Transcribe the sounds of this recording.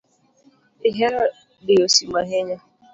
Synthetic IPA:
ɪɦeɾa | dɪosimaɦeɲa

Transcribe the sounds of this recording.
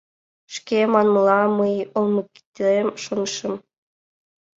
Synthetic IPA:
ʃkemɑnmɤlˠɑməjolmɤ̆ki̥t̪ʲemʃonʃə̆m

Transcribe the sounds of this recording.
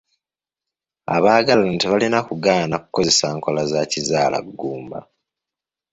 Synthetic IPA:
a̰βaːɡalaontiβalinakuɡaːnaku̥ko̞ze̞saːŋko̞lazacizaːla̰ɡːuːmba̰

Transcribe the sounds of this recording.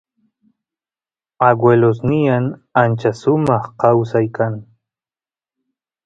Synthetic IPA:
aɡwelosnɪjaŋant͡ʃasʊmɑχqɑwsajkʰaŋ

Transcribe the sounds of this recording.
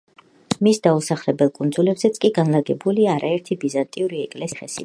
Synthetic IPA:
misd̪ausaχlɛbɛlˠkʼund̪zulɛbzɛt̪sʼkʼiɡanlaɡɛbuliaːɾaɛɾt̪ʰibizant̪ʼiuɾiɛkʼlɛsχɛsḭ

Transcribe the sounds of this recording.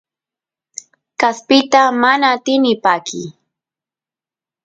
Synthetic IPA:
kaspɪt̪amanaːt̪ɪnɪpaːkʰɪ̰

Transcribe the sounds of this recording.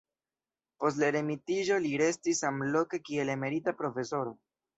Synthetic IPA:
po̞stlaɾemitiʒo̞liɾe̞stisamlo̞ke̞kie̞le̞me̞ɾitapɾo̞fe̞so̞ɾo̞

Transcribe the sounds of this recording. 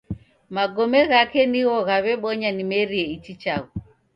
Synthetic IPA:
maɡɔmɛɣakɛniɣɔɣaβɛɓɔɲanimɛɾiɛit͡ʃit͡ʃaɣu

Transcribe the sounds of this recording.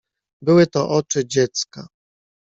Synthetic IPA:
bɘwɘt̪ɔʔɔt͡ʂɘd͡ʑɛt̪ska

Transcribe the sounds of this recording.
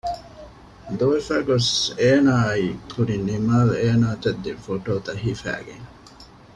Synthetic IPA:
d̪uʋefæːɡoseːnaːikuɾinimaːleːnaːt̪ɐd̪ːefoʈoːt̪ɐɦiːfæ̰ːɡḛŋ

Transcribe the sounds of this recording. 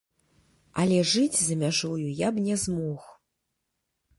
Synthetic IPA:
ɐlʲɛʐɨd͡zʲzɐmʲaʐujujabnʲɛzmɔx

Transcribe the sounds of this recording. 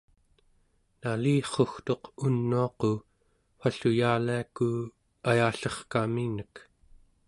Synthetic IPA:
naliːχo̞xt̪o̞qunːuɑqo | ɸaɬujaːliaku | ajaɬʌχkaminək

